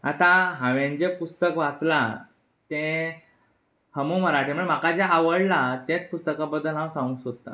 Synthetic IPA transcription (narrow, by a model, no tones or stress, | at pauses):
at̪ãɦãʋjãɲd͡ʑepust̪əkʋat͡sla | t̪ẽ | həmuməɾaʈʰiməɳm̤akad͡ʑaaʋəɽlat̪ẽt͡spust̪əkãbəd̪ːəlɦãwsãŋɡusot̪ːa̰